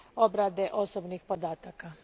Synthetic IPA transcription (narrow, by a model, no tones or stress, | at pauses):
o̞bɾad̪eʔo̞sobnixpod̪aːt̪aka